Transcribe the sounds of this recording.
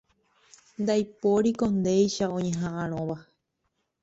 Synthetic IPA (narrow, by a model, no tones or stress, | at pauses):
nd̪ajpoɾikond̪ejʃaõɲẽ̞ɦãʔãɾ̃õʋa